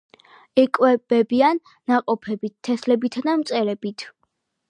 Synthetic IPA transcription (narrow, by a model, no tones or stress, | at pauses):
ɛkʼwɛb̥ɛbianːaqʼɔpʰɛbit̪ʰːɛslɛbit̪ʰad̪amt̪sʼɛɾɛbit̪ʰ